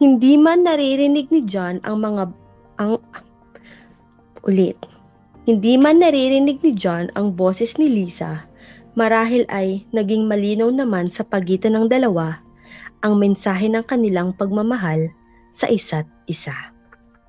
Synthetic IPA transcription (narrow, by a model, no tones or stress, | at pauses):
hɪnd̪imanːɐɾiɾɪnɪɡ̚nɪd͡ʒanɐ̰ŋmɐŋa | ɐŋ | ʔʊlɛt̪̚ | hɪnd̪imanːɐɾiɾɪnɪɡ̚nɪd͡ʒanɐŋbo̞ːsɛsnɪliːsɐ | mɐɾaːɦɪlʔɐjnɐɡiŋmɐliːnɐwnɐmansɐpɐɡiːt̪ɐnɐŋd̪ɐlɐwa | ʔɐŋmɛnsaːɦɛnɐŋkɐnɪlaŋpɐɡ̚mɐmɐɦal | sɐ̰ʔɪsat̪̚ʔɪsa